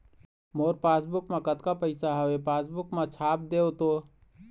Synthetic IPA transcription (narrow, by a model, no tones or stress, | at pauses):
moɾpasbukmekət̪kapəɪsaɦəwepasbukmet͡ʃʰap̚d̪eot̪o